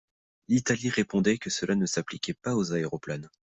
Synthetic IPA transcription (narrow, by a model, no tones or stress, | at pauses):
lit̪aliʁepɔ̃d̪ɛkəsəlʔanəsaplikʲɛpaozaeʁɔplan